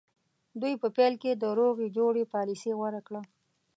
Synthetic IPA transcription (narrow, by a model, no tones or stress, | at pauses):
d̪ujpəpɛlked̪əɾoɣed͡ʒoɽepɑlisewaɾakɽa